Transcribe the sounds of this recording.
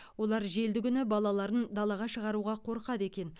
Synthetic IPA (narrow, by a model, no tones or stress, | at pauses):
wo̞lˠɑɾʒe̞ld̪ɪɡʲʏnɪbɑlˠɑlˠɑɾənd̪ɑlˠɑʁɑʃəʁɑɾuʁɑqʰo̞ɾqɑt̪e̞kʲe̞n